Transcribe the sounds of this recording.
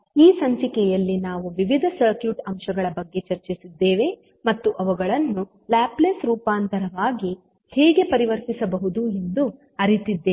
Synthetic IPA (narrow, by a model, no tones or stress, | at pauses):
iːsɐɲt͡ʃikɛjɐlːinaːʋuʋiʋid̪ʱɐsɐɾkjuʈɐmʃɐɡɐɭɐbɐɡːe̞t͡ʃɐɾt͡ʃisid̪ːe̞ːʋe̞ | mɐt̪ːuʔɐʋɐɡɐɭɐnːu | læːplesɾuːpaːnt̪ɐɾɐʋaːɡi | hɛːɡe̞pɐɾiʋɐɾt̪isɐbɐɦud̪ue̞nd̪u | ɐɾit̪id̪ːeː